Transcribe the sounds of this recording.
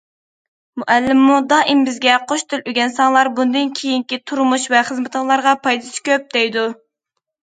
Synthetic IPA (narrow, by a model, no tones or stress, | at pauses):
muʔælːɪmːud̪ɑʔɪmbɪzɡʲɛqʰoʃt̪ɪlyɡʲɛnsɑŋlˠɑɾbund̪ɨnkʲʰejiŋkʲit̪ʰuɾmuʃvɛχəzmɪt̪əlˠɑɾʁɑpʰɑjd̪ɨsɪ̥kʲøp̚d̪ɛjd̪u